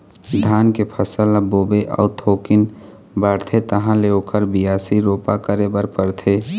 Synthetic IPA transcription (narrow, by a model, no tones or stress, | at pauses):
d̪ʱaːnkepʰəsələboːbeʔɔ̰ːt̪ʰoːkɪn | bəɽt̪ʰet̪əɦãleokʰəɾbijaːsiɾoːpakəɾebəɾpəɾt̪ʰeː